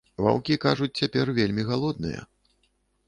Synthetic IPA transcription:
va̰wkʲikaʐut͡sʲt͡sʲapʲɛrvʲelʲmʲiɣalˠɔd̪nɨ̰jɐ̰

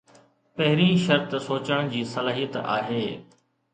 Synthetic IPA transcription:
pɐɦɪɾĩːʃɐɾt̪soːt͡ɕəɽ̃d͡ʑiːsɐlaːɦijət̪a̰ːɦeː

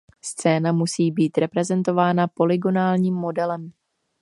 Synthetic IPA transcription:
st͡sɛːnamusiːbiːt̪ɾɛpɾɛzɛnt̪o̞vaːnapo̞lɪɡo̞naːlɲiːmːo̞dɛlɛm

